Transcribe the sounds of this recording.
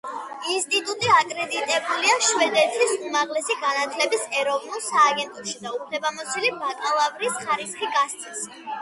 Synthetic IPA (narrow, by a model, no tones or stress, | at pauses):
inst̪ʼit̪ʼut̪ʼiakʼɾɛd̪it̪ʼɛbuliaʃwɛd̪ɛt̪sʰisumaʁlɛsiɡanat̪ʰlɛbisɛɾɔvnulˠsaːɡɛnt̪ʼɔʃid̪aupʰlɛbamɔsʰilibakʼalˠavɾisχaɾisχiɡast̪sʰʼis